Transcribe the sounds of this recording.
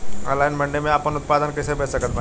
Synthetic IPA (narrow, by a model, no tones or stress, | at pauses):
lajnmɐɳɖemẽaːpənut̪̚pad̪ənkəɪsebʱesəkət̪̚bʱa